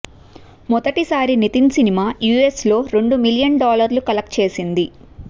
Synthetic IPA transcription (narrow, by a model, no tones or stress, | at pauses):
mɔd̪ɐʈisaːɾinit̪insinimaːjuːe̞slo̞ːɾe̞ɳɖumiljɐɳɖaːlɐɾlukɐlɐk̚ʈt͡ʃe̞ːsind̪i